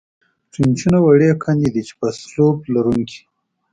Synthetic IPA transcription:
ʈ͡ʂint͡ʃunawaɽekʰand̪id̪it͡ʃe̥paslob̚laɾuŋkʰi̥

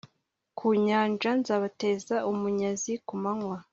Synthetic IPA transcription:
kʰuːɲaːnd͡ʒanzaːβate̞ːzaʔumuɲazikumaŋwa

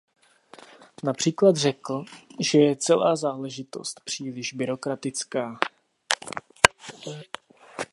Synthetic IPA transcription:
napr̥iːklad̪r̝ɛkl̩ʒɛjɛt͡sɛlʔaːzaːlɛʒɪt̪o̞̰st̪pr̝̥iːlɪʒbɪɾo̞kɾat̪ɪt͡skaː

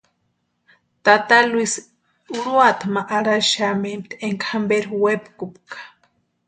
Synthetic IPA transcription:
t̪at̪aluis | uɾuat̪ʰmaʔaɾaʃamemt̪eŋkʰambeɾwepkupkḁ

